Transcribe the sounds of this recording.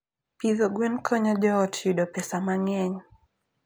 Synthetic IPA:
piðɔɡwɛnkʰɔɲad͡ʒɔɔtjuɗɔpɛsamaŋɛɲ

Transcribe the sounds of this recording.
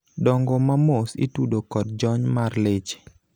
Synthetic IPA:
dɔŋɡɔmamosḭtudokɔt̚d͡ʒɔɲmarlet͡ʃ

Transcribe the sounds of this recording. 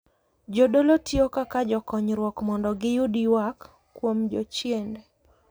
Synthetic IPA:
d͡ʒodolotjokakad͡ʒɔkɔɲɾwɔkmɔndɔɡɪjudiwakː | womd͡ʒɔ̰t͡ʃjende

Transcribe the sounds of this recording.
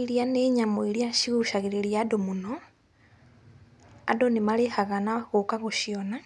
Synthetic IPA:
iɾianeɲamoiɾiaʃiɣuʃaɣeɾeɾiadomunɔ | a̰donemaɾehaɣanaɣokaɣoʃiɔna

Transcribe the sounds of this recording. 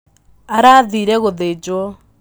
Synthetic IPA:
aɾaðiːɾɛɣoðed͡ʒwɔ

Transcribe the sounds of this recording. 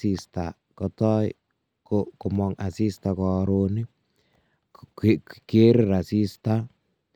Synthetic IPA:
ist̪a̰ | kɔt̪ɔj | kokʊmɔŋasist̪akɔɾoni | keɾrasist̪a

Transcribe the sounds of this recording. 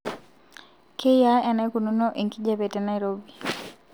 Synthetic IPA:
kejaɛnɛkununoʔiŋkid͡ʒabetɛnaiɾobi

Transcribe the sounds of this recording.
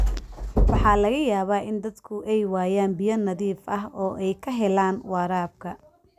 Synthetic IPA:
wɑħɑːlɐɣɐjaːβaːʔɪnd̪ɐd̪kʰʊʔɛjwaːjaːnbɪjɐnɐðiːfɐɦɔːʔɛjkʰɐɦɛlaːnwɑːɾaːb̚kʰɐ

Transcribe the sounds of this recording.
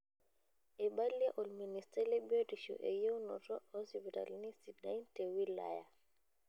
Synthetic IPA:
ɛɓaliɛʔɔlministɛlɛbɛɾiʃɔ̰ʔɛ̰jewnɔ̰tɔɔsipita̰lnisida̰intewila̰ja̰

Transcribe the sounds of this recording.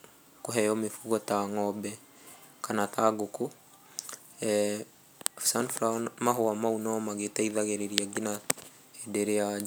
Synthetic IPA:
koɦɛjɔmefuɣɔtaŋɔbɛ | kʰanataɡoko | ɛ | sanfɾamaɦoamaunɔmaɣetaiðaɣeɾeɾiaɡina | edɛɾea

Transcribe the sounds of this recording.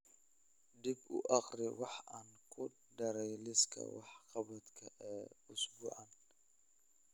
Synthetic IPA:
d̪ɪbʊ̰ʔɑqrɪwɑħʔaːŋkʰʊ | ɖɐɾɛjlɪskʰɐ̰wɑ̰ħqɑβɐd̪kʰɐʔɛːʊsɡʊʕan

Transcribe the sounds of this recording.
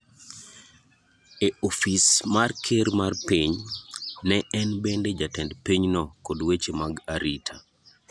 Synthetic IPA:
eofismarkʰeɾmarpiɲ | nɛɛnbɛnded͡ʒatɛndpiɲnɔkodwet͡ʃemaɡaɾitʰa

